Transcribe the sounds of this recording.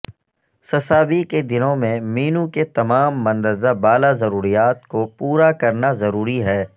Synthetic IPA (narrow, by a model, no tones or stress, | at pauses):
sɐsaːbiked̪ɪnõmẽmiːnuket̪ɐmaːmːɐ̃nd̪əɾzabaːlazɐɾuːɾijaːt̪kopuːɾakɐɾnazɐɾuːɾiɦɛː